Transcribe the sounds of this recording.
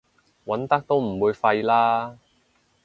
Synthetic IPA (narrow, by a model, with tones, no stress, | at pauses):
wɐ˨˥nt̪ɐ˥k̚t̪o˥wm̩˨˩wuː˨˧jfɐ˧jlaː˥